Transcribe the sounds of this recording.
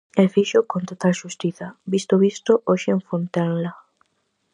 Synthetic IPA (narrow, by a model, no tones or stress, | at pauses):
efiʃokont̪ot̪aʃust̪iθabist̪oβist̪oʔoʃeeɱfont̪anla